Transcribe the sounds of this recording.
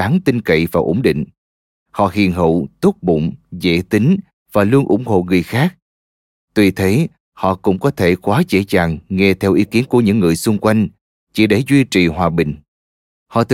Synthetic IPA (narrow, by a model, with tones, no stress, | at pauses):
aː˨˦ŋt̪i˧ŋ̟kə̰˧˨jvaː˨˩ʔo˨˧˥ŋ͡mɗḭ̈˧˨ŋ̟ | hɔ̰˧˨hḭ˧˨ənɦə̰˧˨t̪u˦˥k̚ɓʊ̰˧˨ŋ͡mzḛ˧˥t̪i˨˦ŋ̟ | v̥aː˨˩lu˧ənʔʊ̰˧˩ŋ͡mho̰˧˨ŋɨ˨˩əjxaː˦˥k̚ | t̪wi˨˩t̪ʰe˨˦ | hɔ̰˧˨kʊ̰˧˥ŋ͡mkɔ˨˦t̪ʰe˧˩kwaː˨˦t͡ɕe˧˩t͡ɕaː˨˩ŋŋe˧t̪ʰɛ˧wʔi˨˦ki˨˦ənku˧˩əɲɨ̰˧˥ŋːɨ˨˩əjsʊ˧ŋ͡mkwa˧jŋ̟ | t͡ɕḭ˧˩ɗe˧˩zwi˧t͡ɕḭ˨˩hwaː˨˩ɓï˨˩ŋ̟ | hɔ̰˧˨t̪